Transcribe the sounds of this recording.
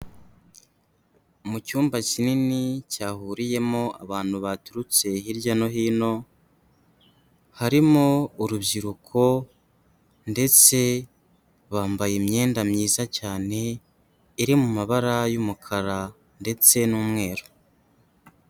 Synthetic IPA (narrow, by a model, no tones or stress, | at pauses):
mucuːmbacininicaːhuɾije̞mo̞a̰βaːn̥huβatuɾut͡se̞ɦiɾɟano̞ɦiːno̞ | haɾimouɾubɟiɾukʰo̞ | nde̞t͡se̞ | βaːmbajemɲe̞ːndamɲiːzacaːne̞ | iɾimumaβaɾajumukʰaɾa | nde̞t͡se̞nuːmŋe̞ːɾo